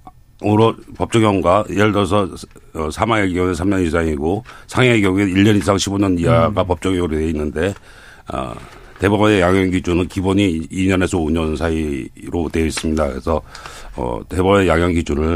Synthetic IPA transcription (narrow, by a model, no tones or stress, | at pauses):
oɾʌpʌp̚t͡ɕ͈ʌɡɦʌŋɡwajeɭdʌsʰʌʌsʰamaŋeɡiʌnɯsʰamɲʌnisʰaŋiɡosʰaŋeɡjʌɡeiʎːʌnisʰaŋɕʰiboɲʌnijaɡapʌp̚t͡ɕ͈ʌɡʌɾoeinːɯnde̞ | ʌ̰ | te̞bʌbnejaŋjʌŋɡid͡ʑunɯnkiboɲiːɲʌne̞sʰʌoɲʌnsʰaiɾote̞is͈ɯmɲidakɯesʰʌʌ̰te̞bʌbejaŋjʌŋɡid͡ʑunɯɭ